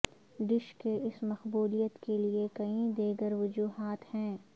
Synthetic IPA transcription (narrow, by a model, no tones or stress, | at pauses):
ɖɪʃkeʔɪsmɐxbuːlijət̪keliekɐĩd̪eːɡəɾʋʊd͡ʒuːɦaːt̪hɛ̃ː